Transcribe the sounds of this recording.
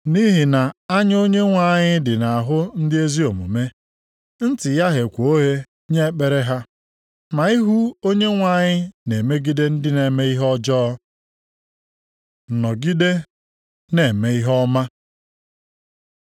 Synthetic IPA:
ni˦ɦi˨na˨a˦ɲ˦o˦ɲe˦ŋʷa˨ɲɪ˦dɪ˨na˨a˨ɦʊ˦n̩˦dɪ˦e˦zi˦o˨mṵ˨me˦ | n̩˦tɪ˨ja˦ɦe˨kʷo˦ɦe˦ | ɲe˦k͡pe˨ɾe˦ɦa˦ | ma˨i˦ɦu˦o˦ɲe˦ŋʷa˦ɲɪ˦ne˨me˦ɡi˦de˦n̩˦dɪ˦ne˨me˦i˦ɦɔ˦d͡ʒɔ˦ | n̩˨nɔ˨ɡi˦de˦ | ne˨me˨i˦ɦɔ˦ma˦

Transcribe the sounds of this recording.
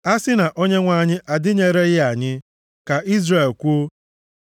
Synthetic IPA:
a˦sɪ˦na˨ʔo˦ɲe˦ŋʷa˦˨ɲɪ˦ʔa˨dɪ˦ɲe˨ɾe˦ɣɪ˦a˨ɲɪ˦ | ka˨ʔi˦zre˨lkʷu˦o˦

